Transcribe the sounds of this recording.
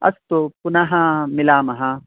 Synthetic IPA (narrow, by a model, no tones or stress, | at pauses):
ɐ̰st̪opʊnaɦãmɪlaːmɐɦã